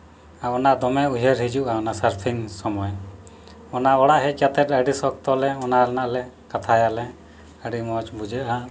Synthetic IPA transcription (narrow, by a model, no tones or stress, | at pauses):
aɔnaʔd̪ɔmɛuɦeɾɦid͡ʒuʔaɔnasaɾpʰiŋsɔmɔj | ɔnaɔɽaʔɦɛkjat̪ɛt̪əɖisɔkt̪ɔlɛɔnalɛnaʔlɛ | kat̪ʰajalɛ | əɖimɔt͡ʃbud͡ʒəʔa